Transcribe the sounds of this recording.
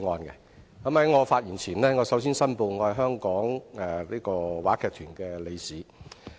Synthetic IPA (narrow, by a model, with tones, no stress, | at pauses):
ŋɔː˧nkɛ̰˧ | kɐ˨˥mhɐ˨˥jŋɔː˨˧faː˧t̚jyː˨˩nt͡sʰiː˨˩nlɛː˥ŋɔː˨˧sɐ˨˥wsiː˥nsɐ˥npo˧wŋɔː˨˧hɐ˨jɦœː˥ŋkɔː˨˥ŋɛ˨˩liː˥kɔː˧waː˨˥kʰɛː˧kt̪ʰyː˨˩nkɛː˧le˨˧jsiː˨˥